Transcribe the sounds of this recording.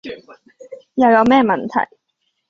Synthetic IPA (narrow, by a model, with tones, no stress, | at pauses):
jɐ˨˧wjɐ˨˧wmɛː˥mɐ˨nt̪ʰɐ̰˨˩j